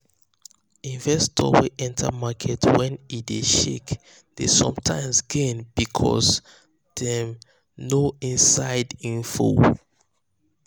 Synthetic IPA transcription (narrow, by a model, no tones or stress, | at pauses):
ĩnvɛstʰɔ̰wiʔɛ̃ntʰa̰makʰɛtwɛ̃nideʃḛk | desɔ̰̃mtʰãɪ̃msɡẽnbikʰɔ̰s | ð̥ɛ̃m | noĩnsaɪdĩnfṵl